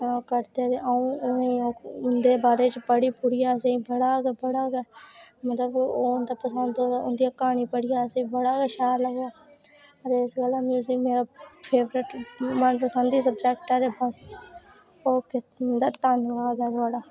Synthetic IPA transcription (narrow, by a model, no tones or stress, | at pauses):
kəɾt̪et̪eʔaũːeiːoːʊnd̪eːbaːɾeːt͡ʃpəɽiːpʊɽiːaseĩːbəɽaːɡɛːbəɽaːɡɛːmət̪ləboːʊnd̪aːpəsənd̪oʊ̰nd̪ijaːkaːɳiːpəɽɪjaːsːĩːbəɽaːɡɛːʃaːɾləɡaː | ət̪eːɪsɡəlaːmjuːzɪkmeːɾaːpʰeːʋɾɪʈmənpəsənd̪iːs̬əbd͡ʒɛːkʈãːd̪eːbəs | oːkɪnd̪aːt̪ənkaːɡɛːt̪waːɽaː